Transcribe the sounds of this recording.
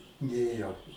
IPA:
ˈnʲeːjoː

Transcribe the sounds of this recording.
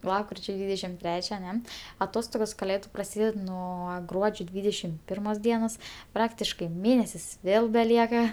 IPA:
ˈlˠɑːpkrʲɪt͡ʃʲoː ˈdʲʋʲiːdʲɛʃʲɪm ˈtʲrʲæːt͡ʃʲɛ ɐˈnʲɛ ɐˈtoːstoːɡoːs kɐˈlʲeːdʊ prɐˈsʲiːdʲɛt ˈnuɔ ˈɡruɔd͡ʒʲoː ˈdʲʋʲiːdʲɛʃʲɪm ˈpʲɪrmoːs ˈdʲiɛnoːs ˈprɑːktʲɪʃkɐɪ ˈmʲeːnʲɛsʲɪs ˈʋʲeːlˠ bʲɛˈlʲiɛkɐ

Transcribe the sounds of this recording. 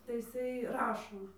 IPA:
tɐɪ ɪˈsɐɪ ˈrɑːʃoː

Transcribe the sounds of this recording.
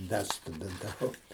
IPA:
ˈdɐ stʊdʲɪntɐˈʋɐʊ

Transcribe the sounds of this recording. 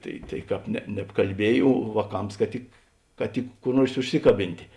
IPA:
ˈtɐɪ tɐɪ ˈkɑːp nʲɛ nʲɛpkɐlʲˈbʲiɛj oː ʋɑːˈkɐms kɐ ˈtʲɪk kɐ ˈtʲɪk kʊr ˈnuɔrs ʊʃʲˈsʲɪkɐˌbʲɪnʲtʲeː

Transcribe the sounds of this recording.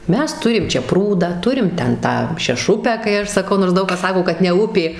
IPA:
ˈmʲɛs ˈtʊrʲɪm ˈt͡ʃʲɛ ˈpruːdɑː ˈtʊrʲɪm ˈtʲɛn ˈtɑː ʃʲɛˈʃʊpʲæː kɐɪ ˈɐʃ sɐˈkɐʊ noːrs ˈdɐʊk kɐs ˈsɑːkoː kɐt nʲɛ ˈʊpʲeː

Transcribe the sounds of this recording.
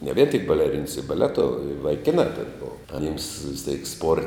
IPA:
nʲɛ ʋʲiɛn tʲɪk bɐlʲɛˈrʲɪns ɪ bɐˈlʲæːtoː ɪ ʋɐɪˈkʲɪnɑː tʲɛn ˈboːʋɐ ɐˈnʲɪms ʋʲɪs tʲeːk spoːr

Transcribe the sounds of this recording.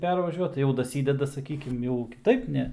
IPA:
ˈpʲɛrʋɐʒʲuɔt ˈjɛʊ dɐˈsʲiːdʲɛdɐ sɐˈkʲiːkʲɪm jɛʊ kʲɪˈtɐɪp ˈnʲɛ

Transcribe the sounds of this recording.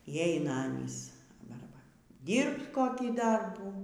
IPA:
iː ˈɛɪnɐ ˈɑːnʲiːs ˈbɐr ˈbɐr ˈdʲiːrpt ˈkoːkʲiː ˈdɐrbuː

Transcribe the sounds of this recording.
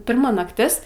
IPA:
ˈpʲɪrmɐ nɐkˈtʲɪs

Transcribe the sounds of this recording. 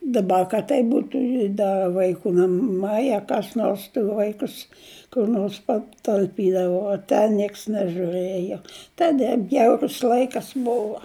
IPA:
dɐˈbɐ kɐt ˈtɐɪp ˈbuːtʊ ɪ ˈdɐ ʋɐɪˈkuː nɐˈmɐɪ ɐ kɐs ˈnoːrs tɐɪ ˈʋɐɪkʊs kʊr ˈnoːrs pɐtɐlʲˈpʲiːdɐʋoː oː ˈtʲɛn ˈnʲiɛks nʲɛʒuːˈrɘjoː ˈtɑːdʲɛ ˈbʲjɛʊrʊs ˈlˠɐɪkɐs ˈboːʋɐ

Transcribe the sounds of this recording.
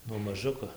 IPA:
nuɔ mɐˈʒʊkoː

